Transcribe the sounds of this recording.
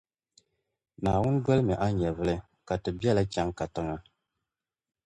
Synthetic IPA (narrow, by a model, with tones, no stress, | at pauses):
naː˨wʊ˦n˦dɔ˦lɨ˦mɛ˨ʔa˦ɲɛ˨vɨ˦lɨ˦ | ka˨tɨ˨bi˦ɛ˦la˦t͡ʃa˦ŋka˨tɨ˦ŋa˦